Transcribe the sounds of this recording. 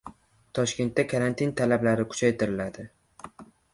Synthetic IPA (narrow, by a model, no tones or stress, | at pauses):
t̪ʰɒʃkʲe̞nt̪ːakʰaɾant̪ʰint̪ʰalablaɾɪkʰʊ̥t͡ʃʰajt̪ʰɪɾɪlad̪ɪ